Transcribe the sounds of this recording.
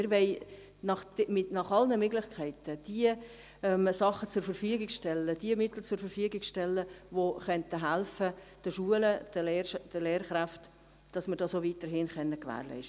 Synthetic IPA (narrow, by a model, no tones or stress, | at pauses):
ɪɾʋɛɪ | nɑχmɪnɑχɑlnəmøɡlɪχkʰæɪtəd̥iə | ɛmsɑχət͡sʊɾfəɾfyəɡɪɡʃtɛlːəd̥iəmɪt̪l̩t͡sʊɾfəɾfyəɡɪɡʃtɛlːəʋoχœntəɦælfəd̥əʃuələd̥əleːɾd̥əleːɾχɾæft | d̥ɑsməɾdɑːsovit̪əɾɦɪnχœnːəkvæ̰ːɾlɛ̰ɪʃ